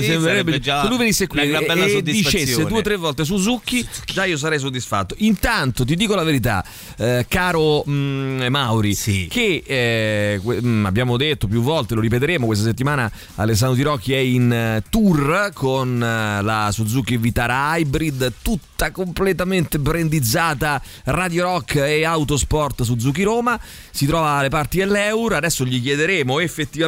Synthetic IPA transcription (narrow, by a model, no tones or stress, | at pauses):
semɾeɾɛbd͡ʒalujvenisːekwabɛːasod̪ːiit͡ʃessːeuːet̪ːɾevːɔlt̪es̬ud̪zukːid͡ʒaiːos̬aɾɛjs̬od̪ːisfat̪ːoʔint̪ant̪ot̪̬id̪iːkolaveɾit̪a̰ | kaːɾo | mawɾiike | kwea̰bːjaːmod̪et̪ːop̬juvːɔlt̪eloɾipet̪̬eɾeːmokwest̪as̬et̪ːimaːna | a̰les̬ːand̪ot̪iɾɔkːiɛint̪urkʰonlasud̪zukːivit̪aːɾaajbɾid̪t̪ut̪ːakomplet̪ament̪epɾend̪id̪zaːt̪a | rad̪joɾɔkːeawt̪ospɔrt̪s̬ud̪zuk̟ːiɾoːma | sit̪ɾɔːvalepart̪id̪elːɛwɾad̪ɛsːoʎikjɛd̪eɾeːmoefːet̪ːiva